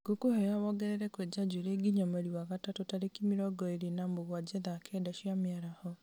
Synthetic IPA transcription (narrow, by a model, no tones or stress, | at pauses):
ɡ̥okohɛjawɔɡɛɾɛɾɛkwɛd͡ʒad͡ʒuɾeɡiɲamaɾiwaɣatatotaɾekimiɾɔɡɔeɾenamoɣwad͡ʒɛðakʰɛdaʃjamaɾahɔ